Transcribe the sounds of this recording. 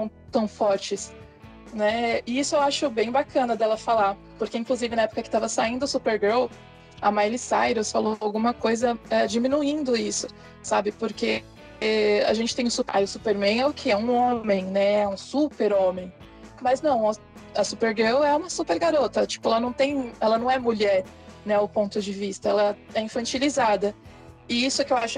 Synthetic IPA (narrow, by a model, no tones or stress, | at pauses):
ɐ̃w̃t̪ɐ̃w̃fɔɾt͡ʃɪs | nɛɪisʊewaʃʊbẽj̃bakʰɐ̃nɐd̪ɛlɐfalaɾ | poɾkeĩŋkluzivɪnɐɛpʊ̥kɐkɪ̥t̪avɐsaĩnd̪ʊʊsupeɾɡew | ɐ̰majlisa̰jɾosfaloawɡũmɐkojzɐɛd͡ʒimĩnuĩnd̪ʊisʊ | sabɪpoɾke | a̰ʒẽnt͡ʃɪ̥t̪ẽj̃ʊsupa̰jʊsupeɾmẽɛʊkʰɪɛũõmẽj̃nɛɛũsupeɾõmẽj̃ | mɐznɐ̃w̃ɐ | ɐsupeɾɡewɛũmɐsupeɾɡaɾot̪ɐt͡ʃi̥pʊɛlɐnɐ̃w̃t̪ẽj̃ɛlɐnɐ̃w̃ɛmuʎɛɾ | nɛʊpõnt̪ʊd͡ʒɪvist̪ɐɛlɐɛĩfɐ̃t͡ʃilizad̪ɐ | ɪisʊkɪewaʃʊ